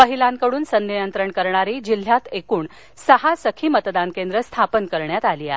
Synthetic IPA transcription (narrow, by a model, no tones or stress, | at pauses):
pəɦilãŋkəɽuːnsənːijənt̪ɾəɳkəɾɳaɾiːd͡ʑil̤ːjat̪ekuːɳ | səɦasəkʰiːmət̪d̪ankend̪ɾəst̪ʰapənkəɾɳjat̪alia̰